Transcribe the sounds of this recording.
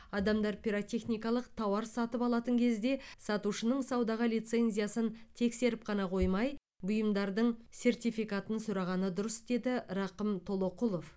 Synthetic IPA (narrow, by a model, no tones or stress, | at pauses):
ɑd̪ɑmd̪ɑɾpʰʲiɾot̪ʲe̞χnijkɑlˠəqt̪ʰɑwɑɾsɑt̪əpɑlˠɑt̪əŋkʲʰe̞zd̪e̞sɑt̪uʃənəɴsɑwd̪ɑʁəlijt̪se̞nzʲijasənt̪ʰe̞kse̞ɾɪp̚qʰɑnɑqʰo̞jmɑj | bʊjəmd̪ɑɾd̪əɴse̞rt̪ijfijkat̪ənsʊɾɑʁɑnəd̪ʊɾəsd̪e̞d̪ɪɾɑqəmt̪ʰo̞lˠo̞qulˠo̞f